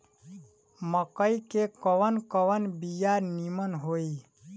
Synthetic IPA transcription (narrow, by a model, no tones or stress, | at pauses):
məkəikekəwənkəwənbijaɾnimənɦoi